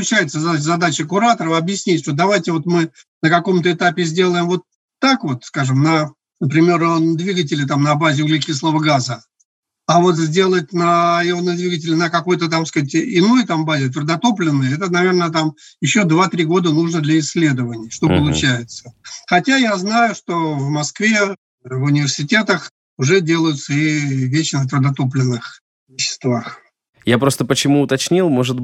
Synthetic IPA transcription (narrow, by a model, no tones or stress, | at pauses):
pʊt͡ɕæjɪt̪səzzɐd̪at͡ɕəkʊɾat̪əɾəfɐbjɪsʲnʲitʲvod̪ɐvajtʲɪvo̞t̪mɨ | nəkɐko̞mt̪əɪt̪apʲɪzʲdʲe̞lˠəjɪmvo̞t̪ː | akvo̞t̪skaʐɨmnə | nəpɾʲɪmʲerənd̪vʲiɡətʲɪlʲɪt̪amnɐbazʲɪuɡlʲɪkʲislˠəvəɡazə | avo̞t̪zʲdʲe̞lˠətʲnəjɪonəd̪vʲiɡətʲɪlʲɪnəkɐko̞jt̪ət̪amskatʲɪno̞jt̪ambazʲɪt̪vʲɪrʊd̪ɐt̪o̞plʲɪnːəjəɛt̪ənɐvʲernət̪am | jɪɕːo̞d̪vat̪ɾʲiɡo̞d̪ənuʐnəd̪lʲɐɪsʲːlʲe̞d̪əvənʲɪjəʂt̪o̞pəlˠʊt͡ɕæjɪt̪sə̥xɐtʲajaznajʊʂt̪o̞vmɐskvʲe | vʊnʲɪvʲɪrsʲɪtʲe̞t̪əx | ʊʐɛdʲe̞lˠəjʊt̪səɪvʲet͡ɕɪnət̪vɾəd̪ɐt̪o̞p̬lʲɪnːɨx | vʲɪɕːɪ̥st̪vax | japɾo̞st̪əpət͡ɕɪmuːt̪ɐt͡ɕnʲilˠmo̞ʐɨt̪